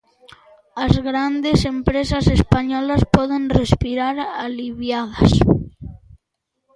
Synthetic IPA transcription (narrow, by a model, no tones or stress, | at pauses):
azɣɾand̪esempɾesasespaɲɔlaspɔðenrespiɾaɾaliβjaðas